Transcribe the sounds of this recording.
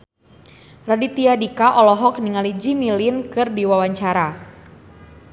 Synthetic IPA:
radit̪iadikaʔɔlɔɦɔk̚niŋalid͡ʒimilɪnkɨrdiwawaɲt͡ʃaɾa

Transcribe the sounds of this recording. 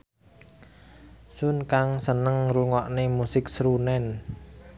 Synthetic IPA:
sʊnkaŋsənəŋruŋɔʔnemusɪksɾunɛn

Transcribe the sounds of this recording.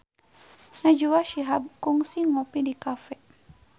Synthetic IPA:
nad͡ʒuwaʃiɦab̚kuŋsiŋɔpidikafɛ

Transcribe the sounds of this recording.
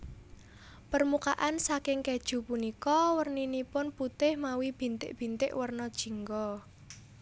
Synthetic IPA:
pərmukaʔansakɪŋkɛd̥ʒ̥ṳpunikɔwərninipʊnput̪ɪhmawib̥i̤nt̪ɪ̰ʔb̥i̤nt̪ɪʔwərnɔd̥ʒ̥i̤ŋɡɔ

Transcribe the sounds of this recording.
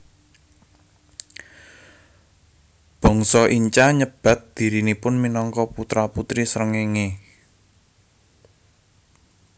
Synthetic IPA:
b̥ɔ̤ŋsɔʔiɲt͡ʃaɲəb̥ä̤t̪̚d̪̥i̤ɾinipʊnminɔŋkɔput̪ɾaput̪ɾisɾəŋeŋe

